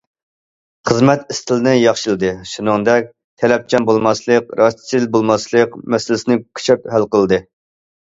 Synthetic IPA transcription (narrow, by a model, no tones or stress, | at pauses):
χəzmɛt̪ist̪ʰɪlɪnɨjɑχʃɨlˠɨd̪ɨʃunɨŋd̪ɛk̚ʲ | t̪ʰɛlɛp̚t͡ʃʰɑnbolˠmɑslˠəqɾɑst̪ɪ̥t͡ʃʰilbolˠmɑslˠəqmɛsɪlɪsɪnɪkʲʰy̥t͡ʃʰɛp̚hælqəlˠɨd̪ɨ